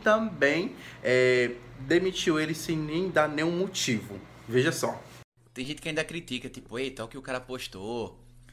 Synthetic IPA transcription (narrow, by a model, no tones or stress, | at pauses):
t̪ɐ̃bẽj̃ɛd̪emit͡ʃiwelɪsẽj̃nẽj̃d̪anẽj̃ũmot͡ʃivʊ̰ | veʒɐsɔ | t̪ẽj̃ʒẽt̪ɪkɪaĩnd̪ɐkɾit̪ikɐt̪ipʊejt̪ãwkɪʊkaɾɐpoʃt̪o